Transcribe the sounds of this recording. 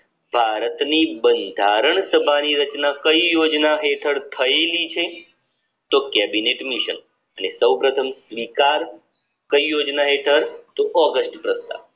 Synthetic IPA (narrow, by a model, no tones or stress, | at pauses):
bʱaɾət̪nibənd̪ʱaɾəɳsəbʱaniɾət͡ʃnakəijod͡ʒnaɦeʈʰəɾt̪ʰəelit͡ʃʰe | t̪okɛbineʈmiʃən | ənesəwpɾət̪ʰəmsʋikaɾ | kəijod͡ʒnaɦeʈʰəɾt̪oʔɔɡəsʈpɾəst̪a̰ʋ